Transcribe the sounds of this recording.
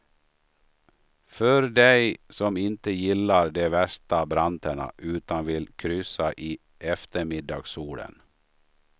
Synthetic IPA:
fœɾd̪ɛɪsɔmɪnt̪əjɪlːɑɾd̪eːʋæʂt̪abɾant̪əɳə̰ʔʉːt̪anʋɪlkʰɾʏsaʔiː | ʔɛft̪əɾmɪd̪ɑ̰ːɡsuːlə̰n

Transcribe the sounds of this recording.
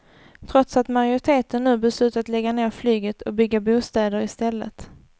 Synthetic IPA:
t̪ʰɾɔt̪sat̪maɾjʊɾɪt̪ʰeːt̪ənːʉ̟ːbɛslʉ̟ːt̪at̪lɛɡːaneːɾflyːɡət̪ʰɔbʏɡːabuːst̪ɛːd̪əɾɪst̪ɛlːə̰t̪

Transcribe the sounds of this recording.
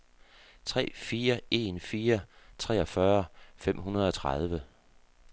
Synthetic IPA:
t͡sʰʁɛ̰ːfiːɐe̝nfiːɐt͡sʰʁɛ̰ːɒ̽fɶɐfem̰ɦunɐð̞̩ˠɒ̽t͡sʰʁɑð̞ˠʋə

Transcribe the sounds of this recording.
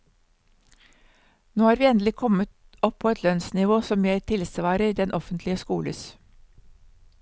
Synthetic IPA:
noːhɑːɾʋiːɛnd̪lɪkʰɔmət̪ | ɔpʰoːɛt̪ʰlœnsnɪʋoːsɔmjeːɾt̪ʰɪlsʋɑːɾəid̪ɛnʔɔfənt̪lɪəskuːlə̰s

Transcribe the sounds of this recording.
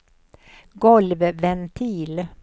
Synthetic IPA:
ɡɔlvvɛnt̪ʰiːl

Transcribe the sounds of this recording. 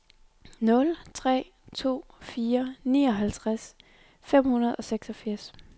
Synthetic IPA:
nɔ̽lt͡sʰʁɛ̰ː | t͡sʰo̝̰ːfiːɐnḭːɒ̽ɦælt͡sʰʁas | fem̰hunɐð̞̩ˠɒ̽seɡ̥sɒfiɐs

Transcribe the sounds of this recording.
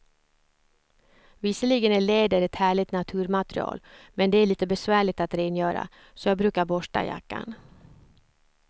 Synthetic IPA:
vɪsəliɡənæɭeːd̪əɾɛt̪hæːɭɪt̪nat̪ʰʉ̟ːɾmat̪ɾɪ̰ɑ̰ːlmɛnd̪ɛæɭiːt̪əbɛsvæːɭɪɡt̪at̪ɾeːnjœːɾa̰ | sɔjɑːɡ̚bɾʉ̟ːkaɾbɔʂʈa̰ja̰kːa̰n

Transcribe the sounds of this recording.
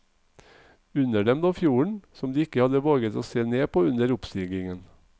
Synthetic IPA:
ʉnəɖɛmd̪oːfjuːɳ̩sɔmd̪iːɪkəhɑd̪əʋoːɡət̪oːseːneːpʰoːʉnəɾʊpst̪iːɡɪŋən

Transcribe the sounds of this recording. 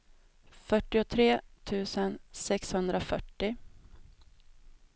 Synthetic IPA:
fœʈːɪʊt̪ʰɾeːt̪ʰʉ̟ːsənsɛkshɵnd̪ɾʔafœ̰ʈːɪ

